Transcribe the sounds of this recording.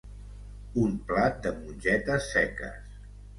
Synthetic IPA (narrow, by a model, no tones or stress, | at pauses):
umplat̪̚d̪əmunʲʒɛt̪əsːɛkə̰s